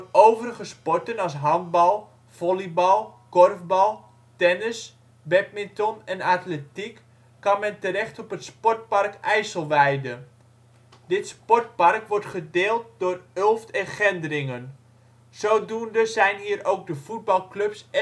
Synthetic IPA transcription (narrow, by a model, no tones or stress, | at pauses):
nowvərəχəspɔrtənɑsɦɑn̚bɑlˠ | v̥ɔlibɑlˠkɔrvbɑlˠ | tɛnəs | bɛp̚mɪntɔnɛnatletikː | ɑnmɛntəɾɛχtɔpətspɔrt̚pɑrkɛjsəlˠʋɛjdə | dɪtspɔrt̚pɑrkʋɔrtχədeːlˠt̚dʊːrølˠftɛnχɛndərɪŋən | soːdundəzɛjnɦiːərowɡ̚dəfud̚bɑlˠkløps